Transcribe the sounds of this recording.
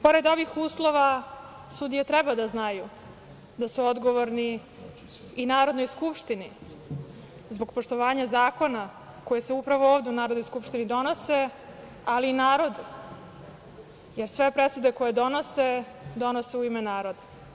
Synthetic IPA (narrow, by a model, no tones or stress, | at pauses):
po̞ɾe̞d̪o̞ʋixuːslˠo̞ʋa | sud̪ijet̪ɾɛbad̪aznaju | d̪asuod̪ɡoʋoɾniː | naːɾod̪nojskupʃt̪ini | zbo̞ɡpoʂt̪oʋaːɲazaːko̞na | ko̞jeseupɾaʋooːvd̪e̞unaːɾo̞d̪nojskupʂt̪inid̪o̞no̞se̞ | aliːnaːɾo̞d̪u | jeɾsʋepɾesud̪eko̞jed̪o̞no̞se | d̪o̞nose̞uimenaːɾo̞d̪a